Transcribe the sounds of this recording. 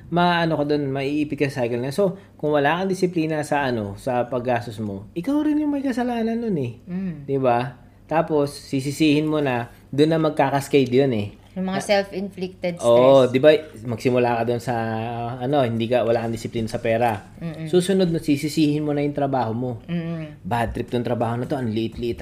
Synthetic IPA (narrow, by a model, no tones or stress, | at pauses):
mɐʔɐno̞kɐd̪o̞nmɐʔiʔiːpɪt̪̚kɐsɐsajɡɐlnɐso̞ | kʊŋwɐlaːkɐnd̪ɪsɪpliːnɐsɐʔɐno̞sɐpɐɡːaːsosmo̞ʔɪkawɾɪnjʊŋmɐjkɐsɐlaːnɐnːonɛd̪ɪba | t̪aːpo̞sːis̬ɪsiːhɪnmonɐ | d̪ʊnːɐmɐɡ̚kaːkɐskajd̪jonɛ | jʊmɐŋasɛlfɪnflɪk̚t̪ɛd̪oːʔd̪ɪbamɐɡsɪmʊlaːkɐd̪onsɐʔɐno̞hɪnd̪iːkɐwɐlaːkɐnd̪ɪsɪpliːnɐsɐpɛːɾɐ | suːsʊnod̪̚nɐsisɪsiːhɪnmonɐjʊŋt̪ɾɐbaːho̞mo̞ | bad̪t̪ɾɪp̚t̪ʊŋt̪ɾɐbaːho̞nɐt̪o̞ʔɐnleʔɪt̪lit̪